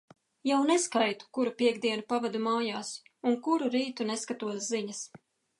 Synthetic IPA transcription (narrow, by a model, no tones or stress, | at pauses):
jawnɛskajt̪u̥kuɾupʲiɛɡd̪iɛnupavɛd̪umaːjaːsuŋkuɾuɾiːt̪unɛskat̪uɔsziɲɐs